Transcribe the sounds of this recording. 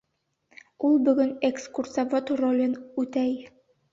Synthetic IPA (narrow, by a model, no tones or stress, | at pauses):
ulˠbɵ̆ɡɵnekskursavot̪rolʲɤnʉt̪æj